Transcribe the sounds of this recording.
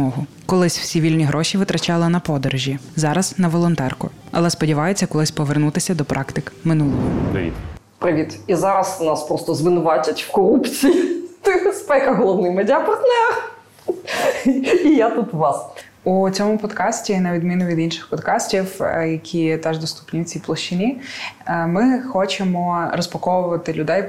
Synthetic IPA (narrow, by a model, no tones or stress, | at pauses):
ɔɦʊ | kɔlˠɪsʲw̥sʲiʋʲilʲnʲiɦɾʔɔʃʲiʋɪt̪ɾɐt͡ʃɑlˠɪnɐpɔd̪ɔɾʒʲizɑɾɐz̥nɐʋɔlˠɔnt̪ɛrkʊ̰ | ɐ̰lˠɛspɔdʲiʋɑjet͡sʲːɐkɔlˠɪsʲpɔʋernut̪ɪsʲɐd̪ɔpɾʔɑkt̪ɪkmɪnulˠɔjd̪ɐ̰ʋʲḭt̪ʲ | pɾɪʋʲit̪izɑɾɐsnɑspɾɔst̪ɔzʋɪnʊʋɑtʲɐtʲwkɔɾupt͡sʲijit̪bespɛkɐɦɔlˠɔwnɪmedʲapɐrt̪nɛɾɐ | ijat̪ut̪ʋɑs | ut͡sʲɔmʊpɔd̪kɑsʲtʲinɐʋʲid̪mʲinʊʋʲid̪inʃɪ̥xpɔd̪kɑsʲtʲiwjɐkʲʰit̪ɛʒd̪ɔst̪u̥pnʲiʊt͡sʲiplˠɔʃt͡ʃɪnʲi | mɪxɔt͡ʃemɔɾɔspɔkɔʋʊʋɐt̪ɪlʲʊd̪ɛj